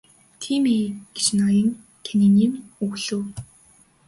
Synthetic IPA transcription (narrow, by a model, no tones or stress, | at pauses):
t̪ʰiːmeːɡ̥e̥t͡ɕnɔjə̆ŋ | kʰeniniːŋuɣɮuː